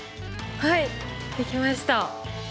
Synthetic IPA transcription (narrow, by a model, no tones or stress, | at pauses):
hai | ikʲimaɕi̥t̪a